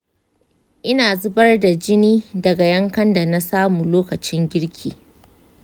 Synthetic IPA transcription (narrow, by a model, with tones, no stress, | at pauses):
ʔɪ˦naː˨zʊ˦bɐ˦rda˨d͡ʒɪ˦niː˦dɐ˨ɡa˨jɐ˦ŋkɐ˦nda˨na˦saː˦muː˨loː˦kɐ˨t͡ʃɪ˦ŋɡʲɪ˦ɽkʲʰḭː˨